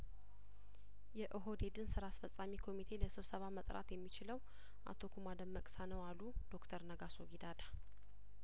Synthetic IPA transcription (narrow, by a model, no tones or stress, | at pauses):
jɛʔɨɦo̞d̪e̞d̪ɨnsɨɾaːsfəsʼamikʰo̞mit̪ʰe̞ləsɨβsəβamət̪ʼɾa̰t̪jɛmːit͡ʃɪləw | ʔa̰t̪ʰo̞kʰumad̪əmːəkʼsanəwalːud̪̥o̞kt̪ʰəɾnəɡasoɡid̪ad̪a